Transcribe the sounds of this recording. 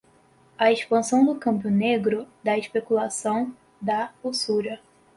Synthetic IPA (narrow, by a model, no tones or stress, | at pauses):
ɐeʃpɐ̃sɐ̃w̃d̪ʊkɐ̃mbjʊneɡɾʊd̪ɐeʃpekulasɐ̃w̃ | d̪ɐusuɾɐ